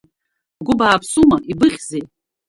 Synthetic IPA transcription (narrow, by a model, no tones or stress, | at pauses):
ɡʷʊbaːpʰsumaʔibɨχʲze